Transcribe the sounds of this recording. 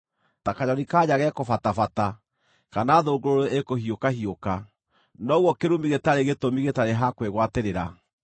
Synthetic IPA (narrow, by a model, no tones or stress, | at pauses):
takaɲɔɾikaːɲaɣɛkofatafata | kanaːðoɡoɾoeekohiokahioka | nɔɣwɔkeɾumiɣetaɾeɣetomiɣetaɾeɦakweɣwateɾeɾa